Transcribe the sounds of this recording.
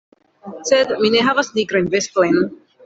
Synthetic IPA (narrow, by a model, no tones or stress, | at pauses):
sed̪mineɦavasniɡɾoinvest̪ojn